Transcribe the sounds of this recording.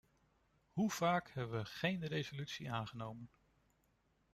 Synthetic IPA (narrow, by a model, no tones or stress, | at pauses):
huv̥aːkhɛbəʋəχejnrejzolytsiʔaːnχənowmən